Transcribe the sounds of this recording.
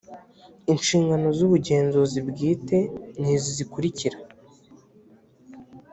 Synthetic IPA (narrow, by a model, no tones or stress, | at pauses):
inʃiːŋɡano̞zuβuɟe̞ːnzozibɡiːte̞n̥izozikuɾiciɾa